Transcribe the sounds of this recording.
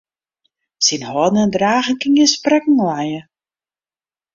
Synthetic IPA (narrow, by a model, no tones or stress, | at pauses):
sinhɔːdnəndraːɣənkɪŋjəsprɛkŋ̩lajə